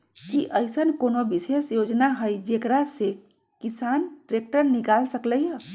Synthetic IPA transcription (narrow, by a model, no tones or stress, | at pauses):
kiʔəjsənkonobisesjod͡ʒnaɦəjd͡ʒekɾase | kisanʈɾek̚ʈəɾnikalsəkləjə